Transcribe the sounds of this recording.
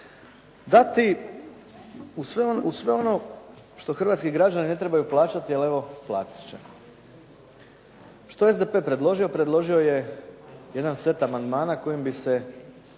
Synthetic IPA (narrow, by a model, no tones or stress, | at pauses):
d̪at̪i | usʋeonusʋeo̞no̞ | ʃt̪o̞xr̩ʋaːt̪skiɡɾad͡ʒanine̞t̪ɾe̞bajuplˠaːt͡ʃat̪iale̞ʋo̞plˠa̰ːt̪i̥t͡ɕḛ | ʃt̪oezd̪epe̞ːpɾe̞d̪lˠo̞ʒio̞pɾed̪lˠo̞ʒio̞je̞ | jed̪anse̞t̪amand̪maːnako̞jimbise̞